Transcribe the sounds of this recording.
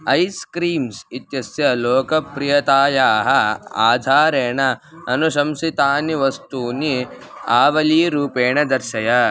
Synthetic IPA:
ɐjskɾiːmsit̪jɐsjɐloːkɐpɾijɐt̪aːjaːɦɐa̰ːd̪ʱaːɾeːɳɐ | ɐnuʃɐmsit̪aːniʋɐst̪uːni | aːʋɐliːɾuːpeːɳɐd̪ɐɾʃɐjɐ

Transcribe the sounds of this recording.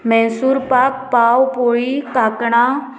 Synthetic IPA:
mɛ̃ːsuːɾpaːk̚paːwpoɭikaːkɽ̃a

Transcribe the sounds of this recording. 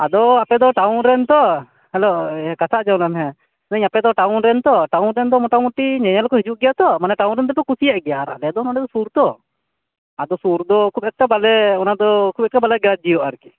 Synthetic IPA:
ad̪ɔapɛd̪ɔʈawnɾɛnt̪ɔ | hɛlɔkat̪ʰaʔd͡ʒawnlamɦɛ̃ | naɲapɛd̪ɔʈawnɾɛnt̪ɔʈawnɾɛnd̪ɔmɔʈamuʈːiɲaɲalkɔɦid͡ʒuʔɡɛjat̪ɔmanɛʈawnɾɛnd̪ɛp̬ɛkusijaʔɡɛjaɾa̰lɛad̪ɔnaɖɛd̪ɔsuɾt̪ɔ | ad̪ɔsuɾd̪ɔkʰubɛt̪̚kabalɛɔnad̪ɔkʰubɛt̪̚kabalɛɡɾad͡ʒijɔʔaɾki

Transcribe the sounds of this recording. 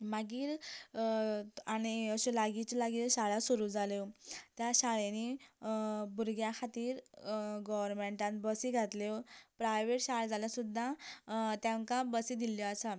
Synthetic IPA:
maɡiːɾ | aɽ̃iəɕelaɡit͡ɕlaɡiːɾɕaɭasuɾud͡zalewt̪jaɕaɭeni | buɾɡjakʰat̪iːɾɡɔʋəɾmeɳʈãnt̪bəsiɡʱat̪lepɾajʋeʈɕaɭd͡zaljasud̪ʱːat̪jãŋkãbəsid̪iljɔasa

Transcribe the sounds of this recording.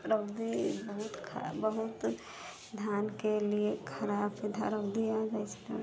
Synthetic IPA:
ɾəbd̪ibəɦut̪kʰbəɦut̪ | d̪ʱjankeliekʰəɾabid̪ʱa̰ɾəbd̪iad͡ʒajt͡ʃʰɛ̃

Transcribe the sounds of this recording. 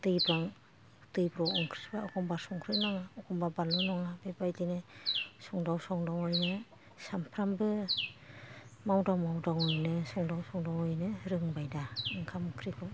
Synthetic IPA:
d̥ɯjbɾaŋ | dɯjbɾɔɯŋkʰɾibaɔkʰɔmbasɔŋkʰɾɯnaŋaɔkʰɔmbabalɯnɔŋabebajdinɯsɔŋdawsɔŋdɔŋɔjnɯ | sampʰɾambɯ | mawdawmawdɔŋɔjnɯsɔŋdawsɔŋdɔŋɯjnɯɾɯŋbajdaɯŋkʰamkʰɾikʰɔ

